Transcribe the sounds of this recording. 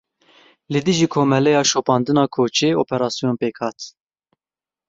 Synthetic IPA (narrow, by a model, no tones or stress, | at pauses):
lɨd̪ɨʒiːkʰoːmɛlɛjɑːʃopɑːnd̪ɨnɑːkʰoːt͡ʃeːoːpʰɛɾɑːsijonpeːkhɑːt̪